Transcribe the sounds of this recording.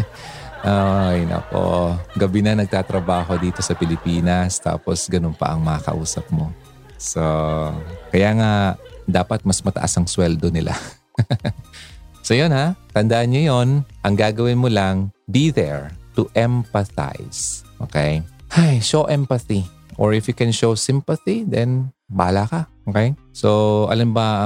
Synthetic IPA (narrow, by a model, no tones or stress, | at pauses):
ʔojnɐ̰po̞̰ɡɐbɪnɐnɐɡ̚t̪aːt̪ɾɐbaːɦo̞d̪iːt̪o̞sɐpɪlɪpiːnɐst̪a̰ːposɡɐnonpɐ̰ʔɐŋmɐŋɐkɐ̰ʔuːsɐp̚mo | so | kɐjaːŋad̪aːpɐt̪̚mɐsmɐt̪ɐ̰ʔa̰sɐŋswɛld̪onɪlʔa̰ | sojonhat̪ɐnd̪ɐʔanɲojonʔɐŋɡaːɡɐwɪnmolaŋbiðɛɹt̪ʊʔɛmpɐθa̰jsʔo̰ːkɛjhajʃoʔɛmpɐθi | ʔoɹɪfjʊkɛnʃowsɪmpɐθid̪ɛn | baːlakɐʔokɛj | soʔɐ̰lambɐ